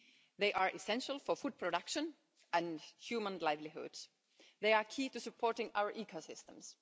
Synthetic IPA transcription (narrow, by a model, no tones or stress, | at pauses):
ðeɪʔɑɹʔɪsɛ̃nʃəl̩ˠfɔfud̪̚pʰɹɔd̪ʌkʃə̃n | ʔæ̃nhjʉːmə̃nlaɪvlɪɦʊ̰d̥s | ðeɪɑkʰiːtusɨpʰɔːɹʈɪ̃ŋa̰ʊəɹʔiːkʰosɪst̪ə̃ms